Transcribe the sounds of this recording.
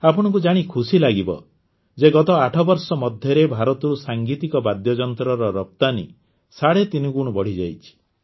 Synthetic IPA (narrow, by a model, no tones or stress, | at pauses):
apɔɽ̃ɔ̃ŋk̬ud͡ʒaɽ̃ikʰusilaɡibɔ̰ | d͡ʒeɡɔt̪ɔaʈʰɔbɔɾsɔmɔd̪ʱjɔɾebʱaɾɔt̪ɔɾusaŋɡit̪ikɔbad̪jɔd͡ʒɔnt̪ɾɔɾɔɾɔp̚t̪anḭ | saɽet̪inɔɡuɽ̃ɔbɔɽ̤id͡ʒa̰jt͡ʃʰi̥